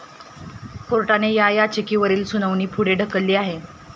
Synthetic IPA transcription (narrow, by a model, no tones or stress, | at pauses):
koɾʈanejajat͡ɕekiːʋəɾiːlsunəʋniːpʰuɽeɖʱəkəlːiːaɦe